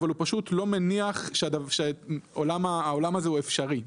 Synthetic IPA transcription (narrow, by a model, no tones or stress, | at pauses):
valupaʃutlo̞me̞niaχʃedavʃeolamaːo̞lamazeuefʃaʁi